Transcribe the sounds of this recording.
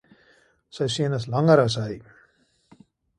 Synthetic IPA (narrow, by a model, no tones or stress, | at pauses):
səjsiənəs̬lɐŋəɾɐs̬ɦəj